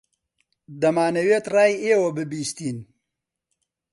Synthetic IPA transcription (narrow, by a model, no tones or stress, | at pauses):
d̪ɐmaːnɐweːt̪raːjeːwɐbɨbiːst̪iːn